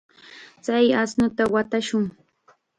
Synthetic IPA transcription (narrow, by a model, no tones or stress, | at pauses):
t͡sajasnʊt̪awat̪aʃʊŋ